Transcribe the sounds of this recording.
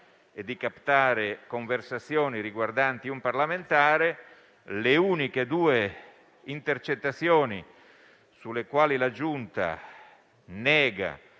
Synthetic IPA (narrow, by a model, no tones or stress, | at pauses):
ed̪ːikapt̪aːɾekoɱversat̪sːjɔːniɾiɡward̪ant̪iumparlament̪aːɾe | leuːniked̪uːe | int̪ert͡ʃet̪ːat̪sːjɔːnḭ | sulekwaːlilad͡ʒunt̪a̰ | nɛːɡa̰